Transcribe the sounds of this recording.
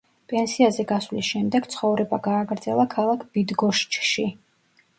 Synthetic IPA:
pʼɛnsiazɛɡasvlisʃɛmd̪ɛɡ̥t̪sʰχɔvɾɛbaɡaːɡɾd̪zɛlˠakʰalˠakʰb̥id̪ɡɔʃt͡ʃʰʼʃi

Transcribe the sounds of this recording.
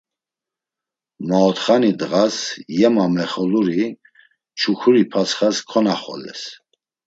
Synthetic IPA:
maɔt̪χanid̪ɣasjɛmamɛχɔluɾi | t͡ʃʰukʰuɾipʰasχaskʰɔnaχɔ̰lɛ̰s

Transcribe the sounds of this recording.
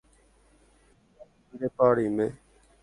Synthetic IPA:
iɾeːpaːɽiːmẽː

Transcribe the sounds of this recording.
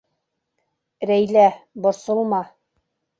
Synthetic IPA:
ɾæjlæbŏɾsŏlˠmɑ

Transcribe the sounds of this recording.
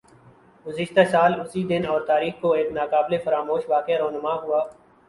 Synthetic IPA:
ɡʊzɪʃt̪asaːlʊsid̪ɪnɔːɾt̪aːɾiːxkoeːknaːkaːblefɐɾaːmoːʃʋaːkɪaɾoːnəmaɦʊaː

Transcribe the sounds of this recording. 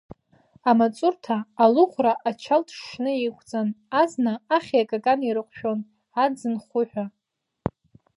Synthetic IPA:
amat͡sʼʊrtʰaːluχʷraʔat͡ʃʰaltʰʂnɨikʷʰʼt͡sʼanaznaːχʲiakʼakʼaniɾɨqʷʼʃᶣo̞n | ad͡zɨnχʷʊħᶣʷa

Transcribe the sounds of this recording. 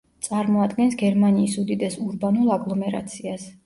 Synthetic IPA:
t̪sʼaɾmɔad̪ɡɛnsɡɛɾmaniːsud̪id̪ɛsuɾbanulˠaɡlˠɔmɛɾa̰t̪sʰias

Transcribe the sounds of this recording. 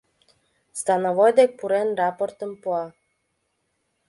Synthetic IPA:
st̪ɑnovojd̪ek̚puɾenrɑport̪əmpuɑ

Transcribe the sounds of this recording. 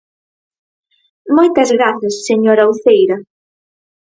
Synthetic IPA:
mojt̪ɐzɣɾaθɐsːeɲoɾɐuθejɾɐ

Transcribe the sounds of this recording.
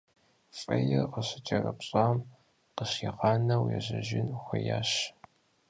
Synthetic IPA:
fʼɐjɛrqəɕɪt͡ʃʰʼɐrɐpɕʼaːm | qəɕiʁɑːnɐwjɛʑɐʒɪnxʷɐjaːɕ

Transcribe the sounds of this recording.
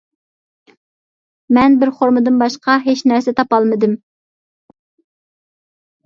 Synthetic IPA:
mɛnbɪɾχoɾmɨd̪ɨnbɑʃqɑɦet͡ʃnæɾsɪt̪ʰɑpɑlˠmɨd̪ɨm

